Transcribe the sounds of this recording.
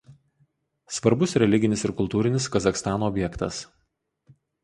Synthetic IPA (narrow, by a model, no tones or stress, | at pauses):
sʋɐɾbʊsɾʲɛlʲɪɡʲɪnʲɪsɪɾkʊlˠt̪uːɾʲɪnʲɪskɐzɐxst̪ɑːnoːɔbʲjɛkt̪ɐ̰s